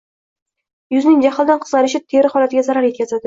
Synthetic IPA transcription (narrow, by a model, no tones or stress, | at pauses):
jʊznɪŋʲd͡ʒaχɪlˠd̪anqʰɨzʁɑɾɪʃɪt̪ʰeɾɪχɒlˠat̪ɪɡʲazaɾaɾje̞t̪kʲʰazad̪ɪ